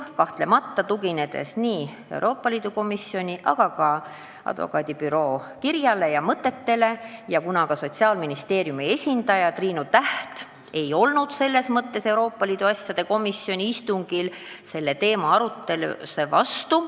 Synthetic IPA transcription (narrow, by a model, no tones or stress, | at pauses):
kɑht̪le̞mɑt̪ːɑt̪uɡine̞d̪̥e̞̰sniː | e̞̰ṵɾʔo̞ːpːˑɑliːd̪uko̞misio̞nʲiʔɑ̰ɡ̥ɑkɑ | ɑ̰d̪̥vo̰kˑɑːd̪ipyɾo̞ːkiɾjɑle̞jɑmɤt̪ːˑe̞t̪ːe̞le̞jɑkunɑkɑso̞t̪siɑːlminist̪e̞ːɾjumie̞sʲind̪̥ɑjɑt̪riːnut̪æht̪ | e̞jo̞lnud̪̥se̞lːe̞smɤt̪ːe̞se̞wɾo̞ːpːˑɑliːd̪̥uɑsʲjɑd̪̥e̞ko̞misio̞nʲiist̪uŋɡ̥il | se̞lːe̞t̪e̞ːmɑɑɾut̪ːˑe̞lṵse̞vɑst̪u